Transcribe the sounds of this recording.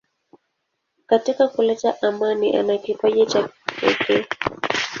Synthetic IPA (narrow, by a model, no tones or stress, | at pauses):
katikakulɛtaʔamaniʔa̰nakipaʄɛt͡ʃapɛ̰kɛ